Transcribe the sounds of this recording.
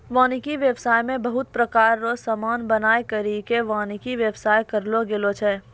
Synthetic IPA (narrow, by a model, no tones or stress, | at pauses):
ʋãːnikiʋjəʋsaːjmẽbɐɦʊt̪̚pɾɐkaːɾːosamaːnbɐnaːekɐɾikeʋãːnikiʋjəʋsaːjkɐɾloɡeːlot͡ʃʰɛː